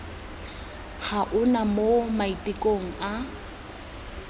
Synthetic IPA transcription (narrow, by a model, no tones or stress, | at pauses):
k͡xʰaʔʊnamomaitʼikʼoŋ̩a